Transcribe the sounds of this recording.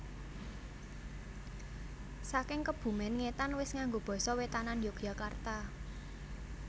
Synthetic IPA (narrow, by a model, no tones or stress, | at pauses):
sakɪŋkəb̥ṳmɛnŋet̪anwɪsŋaŋɡob̥ɔ̤sɔwet̪ananjoɡ̥jakart̪a